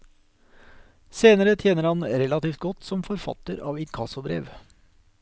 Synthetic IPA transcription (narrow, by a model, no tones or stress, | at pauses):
seːnəɾət̪ʰjeːnəɾhɑnɾɛlɑt̪iːft̪̚ɡɔt̪ːsɔmfɔɾfɑ̰t̪əɾɑ̰ːʋɪt̪kʰɑsʊbɾḛːʋ